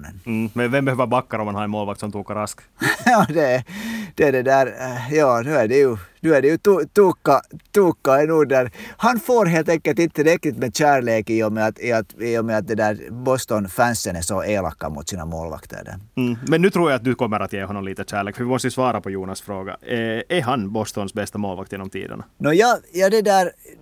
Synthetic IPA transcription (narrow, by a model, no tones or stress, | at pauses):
nə̰n̩ːmɛnvɛmbɛøːvəɾbakːaɾɔmhanhaɾɛnmoːlʋak̚t̪sɔmt̪ʰuːkːaɾask | jɑːd̪ɛd̪̥ɛæɖɛd̪æːɾjɑːnʉ̟ːæɖɛjʉnʉ̟ːæɖɛjʉt̪ut̪uːkːat̪uːkːaɛnuːd̪æɾhɑnfoːɾɦeːlt̪ɛŋkːəlt̪ɪnt̪ːəɾɛk̪ːɪt̪meːd̪ɕæːɭeːkɪjɔmːɛɑt̪ɪɑt̪ɪjəmːɛɑt̪̚d̪ɛd̪æːɾbɔst̪ɔnfænsənɛsɔʔeːlɑ̰kːɑ̰mṵt̪siːna̰mo̰ːlʋɑ̰kt̪ʰə̰ɾə̰mɛnːʉːt̪ʰɾuːɾjaat̪̚d̪ɵkɔmːəɾat̪jeːhɔnːɔmliːt̪əɕæːɭeːkfœɾvɪmɔst̪əjʉsvɑːɾapʰɔjuːnasfɾoːɡa̰ɛɾɦanbɔst̪ɔnsbɛst̪amo̰ːlʋakt̪eːnɔmt̪ʰḭːd̪ə̰ɳanɔjɑːjɑːd̪ɛd̪æːɾ